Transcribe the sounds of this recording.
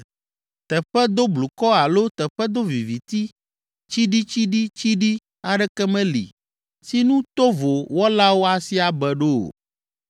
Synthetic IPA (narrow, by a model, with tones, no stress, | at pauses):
t̪ɛ˨ɸɛ˦d̪o˦blu˨kɔ˦a˨lo˦t̪ɛ˨ɸɛ˦d̪o˦vi˨vi˨t̪i˦ | t͡ɕi˦ɖi˦t͡ɕi˦ɖi˦t͡ɕi˦ɖi˦ | a˨ɖɛ˦kɛ˦mɛ̃˦lḭ˨ | si˦nũ˦t̪o˦vo˨wɔ˦la˦wo˦a˨si˦a˨bɛ˨ɖo˦o̰˨